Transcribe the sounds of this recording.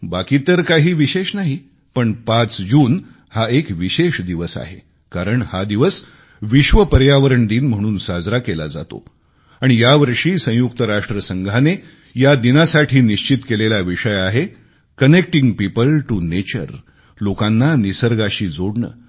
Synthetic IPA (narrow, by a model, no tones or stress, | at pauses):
bakit̪əɾkaɦiːʋiɕeɕnaɦi | pəɳpat͡sd͡ʑuːn | haekʋiɕeɕd̪iʋəsa̰ɦe | kaɾəɳhad̪iʋəs | ʋiɕʋəpəɾjaʋəɾəɳɖ̪iːnm̤əɽ̃uːnsad͡zɾakela̰d͡za̰t̪o̰ | aɽ̃ijaʋəɾʂiːsə̃juk̚t̪əɾaʂʈɾəsəŋɡʱane | jad̪inasaʈʰiːniɕt͡ɕit̪kelelaʋiʂəjaɦe | kənek̚ʈĩŋɡpipəlʈunet͡ɕə̰ɾ | lokãnːanisəɾɡaɕiːd͡zoɽɳə̰ː